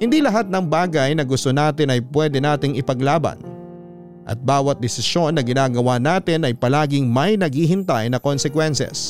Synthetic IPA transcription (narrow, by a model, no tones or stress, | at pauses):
hɪnd̪ilɐɦat̪̚nɐŋbaːɡɐjnɐɡʊst̪onaːt̪ɪnɐjpwɛːd̪ɛnaːt̪ɪŋɪpɐɡlaːbɐ̰n | ʔɐ̰t̪̚baːwɐt̪̚d̪ɛsɪsjo̞nːɐɡɪnaːɡɐwanaːt̪ɪnʔɐjpɐlaːɡɪŋmɐjnɐɡ̚hiːɦɪnt̪ajnɐkonsɛkwɛnsɛ̰s